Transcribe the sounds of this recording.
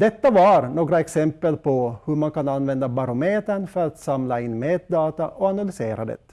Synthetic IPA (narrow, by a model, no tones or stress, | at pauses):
d̪ɛt̪ːavaɾnoːɡɾaɛksɛmpəlpʰɔhɵmankʰananːvɛnd̪abaɾʊmeːt̪əɳfœɾat̪samlaɪnːmeːt̪̚d̪ɑːt̪aʔɔanalʏseːɾa̰d̪ɛ̰t̪